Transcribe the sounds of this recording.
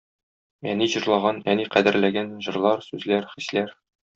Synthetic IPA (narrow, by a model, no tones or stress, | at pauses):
æniʑɤ̆ɾlˠɑʁɑnæniqæd̪ɘ̆ɾlæɡænʑɤ̆ɾlˠɑɾsʉzlæɾχislæɾ